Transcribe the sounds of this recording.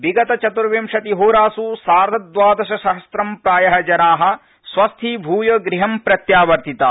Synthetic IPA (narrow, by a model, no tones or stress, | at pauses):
biɡɐt̪ɐt͡ʃɐt̪uɾʋemʃɐt̪iɦuːɾaːsusaːɾd̪ʱɐd̪ʋaːd̪ɐʃɐʃɐɦɐst̪ɾɐmpɾaːjɐɦɐd͡ʒɐnaːɦɐ̆ | sʋɐst̪ʰiːbʱuːjɐɡɾiɦɐmpɾɐt̪jaːʋɐɾt̪ʰit̪aː